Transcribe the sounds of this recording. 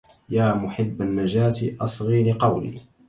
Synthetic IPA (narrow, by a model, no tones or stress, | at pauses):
jaːmʊħɪbːanːad͡ʒaːt̪ʔɑsˤɣiːɾiqɑwlḭː